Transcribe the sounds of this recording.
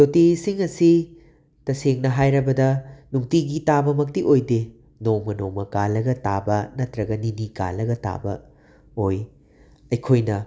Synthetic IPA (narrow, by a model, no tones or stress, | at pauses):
totisiŋɐsi | tɐseŋnɐɦajɾɐbɐdɐnuŋtiɡitabɐmɐk̚tiʔojde | nomɐnomɐkalɐɡɐta̰bɐnɐtɾɐɡɐninika̰lɐɡɐta̰bɐ̰ | oj | ɐjkʰojnɐ